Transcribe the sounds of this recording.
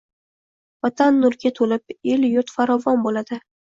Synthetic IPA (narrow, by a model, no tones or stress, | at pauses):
vat̪ʰanːʊlɡʲat̪ʰolɪp̚eljʊɾt̪faɾɒvɒnbolad̪̥ɪ